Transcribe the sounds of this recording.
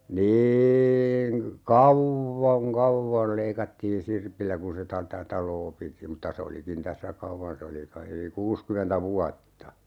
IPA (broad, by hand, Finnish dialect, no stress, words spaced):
niːiŋ kɑ kɑuʋːoŋ kɑʋːol leikɑtːiːn sirpilːæ kun se tɑ tæ tɑloː piti mutːɑ se olikin tæsːæ kɑwʋɑn se oli kɑi yli kuːskymentæ ʋuɑtːɑ